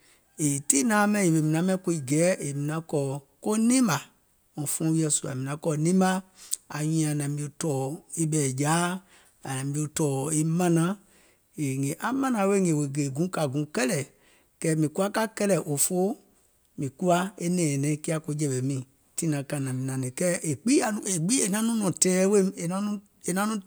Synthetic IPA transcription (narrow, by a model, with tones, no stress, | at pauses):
e˨ti˦nã˨˦mɛ̃˧˦˨e˨ɓe˧˨mĩ˨nã˨˦mɛ̃˧˦ko˧i˨ɡɛ˨˦e˨mĩ˨nã˧˦kɔː˨ko˦nĩ˦ma˨ | ɔ̃˨fɔ̃˨˦wi˧ɛ˧su˨˧a̰˨mĩ˨nã˨˦kɔː˧˨˦nĩ˦ma˧a˨ɲĩ˧˦ã˨nã˨bi˧˦o˧˦tɔː˨e˦ɓɛ˨ɟaː˨˦ | a˨nã˨bi˧o˧tɔː˨e˦mã˦nã˨˦ | e˨ŋẽ˨ʔa˨mã˦nã˧˦we˦˨ŋẽ˨we˨ɡe˨ɡũ˨˦ka˨ɡũ˨˦kɛ˦lɛ˨ | kɛ˦mĩ˨ku˦a˦ka˦kɛ˦lɛ˨ʔo˨fo˦ | mĩ˨ku˦la˧˦e˦nɛ̃ː˨nɛ̃˨˦ki˦a˧ko˧˦d͡ʒɛ˨ɓɛ˨mĩ˨ | tĩ˦nã˨ka˨nã˨mĩ˨nã˨nẽ˨kɛ˦ʔe˨k͡pi˦a˨nũ˧˨e˨ɡ͡bi˦e˨nã˨˦nũ˦nɔ̃˨tɛː˦we˦e˨nã˧˦nũ˦ | e˨nã˦nũ˦